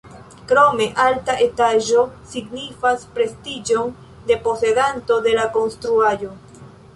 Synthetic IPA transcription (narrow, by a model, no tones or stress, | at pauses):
kɾo̞me̞ʔaltaʔe̞taʒo̞siɡnifaspɾe̞stid͡ʒo̞n | de̞po̞se̞danto̞de̞lako̞nst̪ɾuajo̞